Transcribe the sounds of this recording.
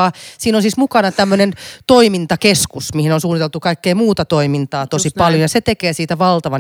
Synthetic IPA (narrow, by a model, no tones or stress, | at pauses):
ɑːsiːnosiːsmukɑnɑt̪æmːønent̪oimint̪ɑkeskusmihinonsuːnit̪elt̪ukɑikːeimuːt̪ɑt̪oimint̪ɑːt̪osipɑljojɑset̪ekeːsiːt̪æʋɑlt̪ɑʋɑ